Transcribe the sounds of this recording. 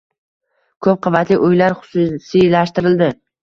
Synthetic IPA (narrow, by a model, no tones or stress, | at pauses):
kʰɵp̚qʰɑvat̪lɪʔʊjlaɾχʊ̥sʊsilaʃt̪ɪɾɪld̪ɪ